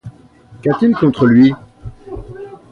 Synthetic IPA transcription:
kat̪ilkɔ̃t̪χəlɥi

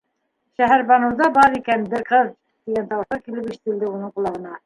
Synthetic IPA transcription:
ʃæɦæɾbɑnɤ̆wd̪ɑbɑɾikænbɘ̆ɾqɤð | t̪iɡænt̪ɑwɤ̆ʃɑkilɘpiʃɘ̥̆t̪ɘ̆ld̪ɘunɤɴqulˠɑʁɤ̆nɑ

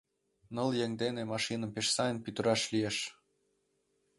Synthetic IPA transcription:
nɤ̆ljeŋd̪enemɑʃinə̆mpeʃsɑjənpyt̪ə̆ɾɑʃlijeʃ

